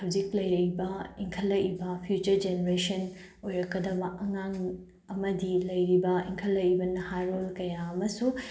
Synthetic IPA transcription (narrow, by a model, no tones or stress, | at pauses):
hɐwd͡ʒiklɐjɾɐbɐiŋkʰɐlːɐibɐpʰjut͡ʃɐɾd͡ʒeneɾesɐn | ojɾɐkːɐd̪ɐbɐʔɐŋaŋ | ɐmɐdilɐjɾibɐiŋkʰɐlːɐibɐnɐhaɾolkɐjaɐmɐsu